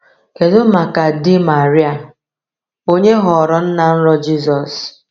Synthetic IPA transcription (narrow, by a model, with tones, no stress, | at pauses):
ke˨zo˦ma˨ka˨dɪ˦ma˨ɾi˦a˨ | o˦ɲe˦ɦɔ˨ɔ˨ɾɔ˦n̩˦na˨n̩˦ɾɔ˦d͡ʒi˦zɔ˨s